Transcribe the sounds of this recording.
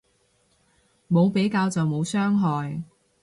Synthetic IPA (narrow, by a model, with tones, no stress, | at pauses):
mo˨˧wpe˨˥jkaː˧wt͡sɐ˨wmo˨˧wsœː˥ŋɦɔː˨j